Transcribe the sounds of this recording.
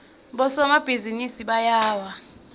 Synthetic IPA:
ɓɔsɔmab̥ʱizinisiɓajaːwa

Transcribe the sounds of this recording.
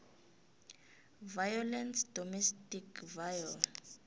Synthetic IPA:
vajɔlɛnsdɔmɛstikʰvajɔl

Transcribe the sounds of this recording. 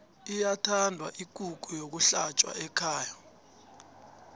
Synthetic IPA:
ijatʰandʱwa̰ʔiɡ̥ʱʼuk̬ʼujok̬uɬat͡ʃʼwa̰ɛkʰaːja

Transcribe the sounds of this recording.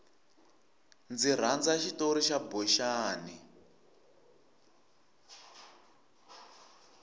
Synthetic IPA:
nd͡ziɾ̤and͡zaʃitoɾiʃabɔʃaːni

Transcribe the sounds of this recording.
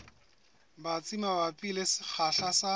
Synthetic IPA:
bat͡sʼimabapʼilesɪk͡xʰaɬasa

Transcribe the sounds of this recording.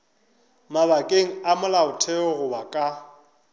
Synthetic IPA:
maβakʼeŋ̩amʊlaʊtʰɛɔɣʊbakʼa

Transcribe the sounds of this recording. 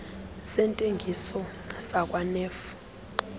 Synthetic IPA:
sɛntʼeŋɡʱisɔ | sak̬ʼwanɛːf

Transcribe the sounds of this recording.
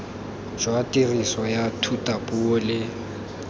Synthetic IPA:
ʒwatʼiriswɔjatʰutʼapʼulɪ

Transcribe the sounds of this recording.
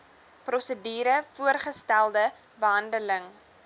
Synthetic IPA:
prɔsədiːɾəfuərχəstælˠdə | bəɦɐndələŋ

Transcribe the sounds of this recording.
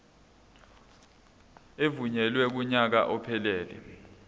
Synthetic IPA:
evuɲɛlwɛk̬uɲak̬a̰ʔɔpʰɛlɛːlɛ̰

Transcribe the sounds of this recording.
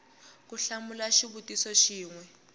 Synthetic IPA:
kuɬamulaʃiβutisɔʃiːŋwɛ

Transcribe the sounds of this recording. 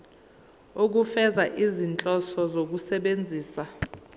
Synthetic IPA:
ok̬ufɛzaʔizint͡ɬʼɔsɔzok̬usɛɓend͡zʱiːsa

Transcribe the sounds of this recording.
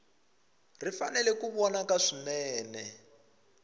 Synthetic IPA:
rifanɛlɛkuβɔnakaʂinɛːnɛ

